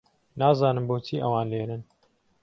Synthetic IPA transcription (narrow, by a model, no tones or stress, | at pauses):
naːzɑːnɨmboːt͡ʃʰiːʔɐwɑːnleːɾɨn